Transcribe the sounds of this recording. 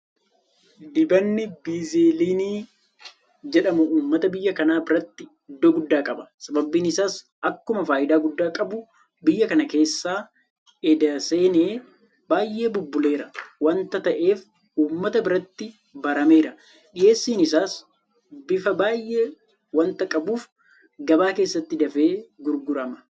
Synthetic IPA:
d̪ɪbɐnːɪbiːzeːliːniː | d͡ʒɛᶑɐmʊuːmːɐt̪ɐbɪjːɐkɐnaːbɪɾɐt̪ːɪ | ɪd̪ːoːɡʊd̪ːaːkʼɐbɐ̥sɐbɐbːiːnɪsaːs | ɐkːʊmɐfaːʔɪd̪aːɡʊd̪ːaːkʼɐbʊ | bɪjːɐkɐnɐke̞ːsːaː | ɛd̪ɐse̞ːneː | baːjʔːe̞ːbʊbːʊle̞ːɾɐwɐnt̪ɐt̪ɐʔe̞ːf | uːmːɐt̪ɐbɪɾɐt̪ːɪ | bɐɾɐme̞ːɾɐ | ɗɪje̞ːsːiːnɪsaːs | bɪfɐbaːjːʔe̞ː | wɐnt̪ɐkʼɐbuːf | ɡɐbaːke̞ːsːɐt̪ːɪd̪ɐfeːɡʊɾɡʊɾɐmɐ̥

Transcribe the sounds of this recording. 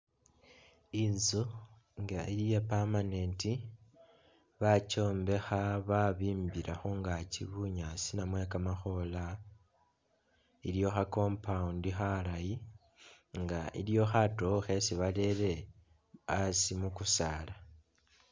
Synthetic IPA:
inzu | ŋɡailijepamane̞nti | βat͡ʃo̞ːmbe̞xaβaβiːmbiɾaxoŋɡaciβuɲasinamwe̞kamaxo̞la | iljo̞xako̞mpaundixalaji | ŋɡaʔḭljo̞xatoxe̞siβale̞ɾe̞ | asimukusaːla

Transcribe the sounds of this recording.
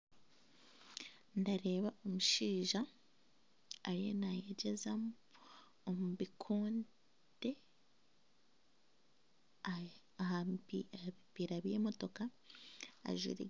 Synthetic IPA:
ndaɾe̞ːβaʔo̞muʃiːʒa | ɾijenajeɟezam | omuβikʰoːn | d̥e̞ | ipiːɾaβje̞ːmo̞to̞ka̰ː | ʒwḭɾḛ

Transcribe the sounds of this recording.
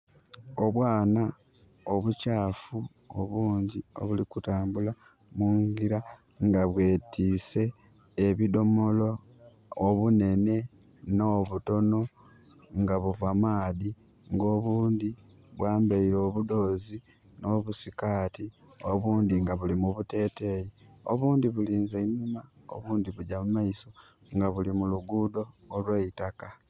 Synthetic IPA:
o̞βwaːna | o̞βucaːfu | o̰βuːɲɟio̞̰βulikutaːmbula | muŋɡiɾa | ŋɡaβwe̞ːtiːse̞ː | βido̞mo̞lo̞ː | βune̞ne̞ | no̞βuto̞no̞ | ŋɡaβuvamaːði | ŋɡo̞ːβuːnd̪i | βwaːmbaiɾo̞ːβudo̞ːzi | no̞ːβusikaːtʰi | oβuːnd̪iŋɡaβulimuβute̞ːte̞jioβuːnd̪iβuliːnzeinuma | o̰βuːnd̪iβuɟamumaiso̞ | ŋɡaβulimuluɡuːdo̞ːlweitaka

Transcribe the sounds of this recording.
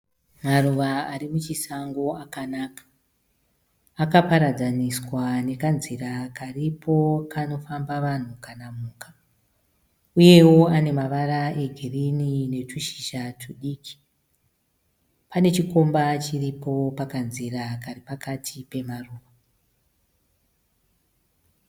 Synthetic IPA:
maruʋaaɾimut͡ʃisaŋɡo̞akanaːkḁ | kapaɾad͡zaniswane̞kanzirakaripʰo̞kano̞fambaʋan̤ukanamuːkḁ | uje̞wo̞ane̞maʋaɾae̞ɡʱirinine̞tuʃi̥ʃatʰuɗiːkʰi̥ | pane̞t͡ʃiko̞mbat͡ʃiripo̞pakanziɾakaripakatʰipe̞maruːʋa

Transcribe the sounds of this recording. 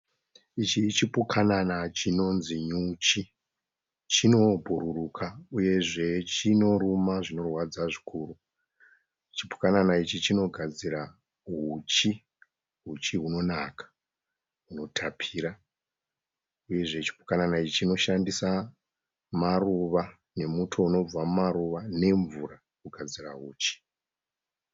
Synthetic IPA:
it͡ʃit͡ʃipukʰananat͡ʃino̞nziɲut͡ʃi | t͡ʃino̞bʱuɾurukʰauje̞ʐe̞t͡ʃino̞rumaʐino̞rwad͡zaʐikʰuːru | t͡ʃipu̥kananait͡ʃit͡ʃino̞ɡʱad͡ziɾa | ɦut͡ʃi | ɦut͡ʃiɦuno̞nakḁ | ɦuno̞tʰapʰiːɾa | uje̞ʐe̞t͡ʃi̥pu̥kananait͡ʃit͡ʃino̞ʃandisa | maruʋa | ne̞mutʰo̞uno̞b͡vammaɾuʋane̞ɱvura | kuɡʱad͡ziraɦuːt͡ʃi̥

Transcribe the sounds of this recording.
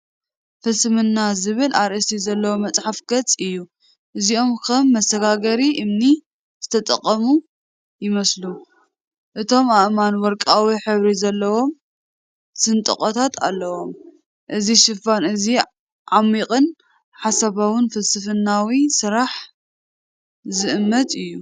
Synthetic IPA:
fɨsɨmɨnːazɨβɨlʔaɾʔɨsizɐlːɐwomɐt͡sʼħafɡ̥ɐt͡sʼɨjːu | ʔɨzio̞mkʰɐmːɐsɐɡaɡɐɾiʔɨmni | z̥ɨt̪ʰɐt̪ʼɐ̰qʼːɐmu | jɪmɐslu | ʔɨt̪ʰo̞maʔmanwɔɾkʼawiħɨβɾizɐlːɐwo̞m | sɨnt̪ʼɨ̰χʼɔt̪ʰat̪ʰa̰lːɐwo̞m | ʔɨziʃɪfanɨzi | ʕamːikʼɨn | ħasɐβawɨnfɨlsɨfɨnːawisɨɾaħ | zɨʔɨmːɐt̪ʼɨjːu

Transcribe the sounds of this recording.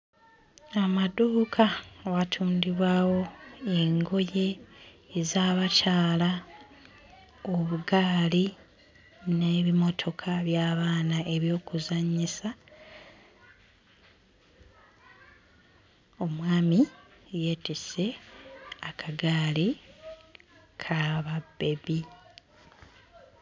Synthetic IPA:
amaduːkʰawatʰuːndiβwaːwo̞e̞ŋɡo̞je̞ː | zaːβacaːla | oβuɡaːli | ne̞ːβimo̞tʰo̞kʰaβjaːβaːnaʔe̞βjo̞ːkuzaɲisa | o̞mwaːmije̞ːtise̞ | akʰaɡaːli | kʰaβabːe̞βi

